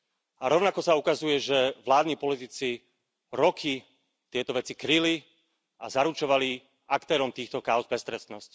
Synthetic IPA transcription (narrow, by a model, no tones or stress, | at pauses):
aɾɔʊnakɔsaukazujɛʒɛʋlaːd̪niːpɔlit̪it͡si | ɾɔkʰi | t̪ɪɛt̪ɔʋɛt͡sikɾili | a̰zaɾut͡ʃɔʋali | akt̪ɛːɾɔmt̪iːxt̪ɔkaʊzbɛst̪ɾɛst̪nɔsc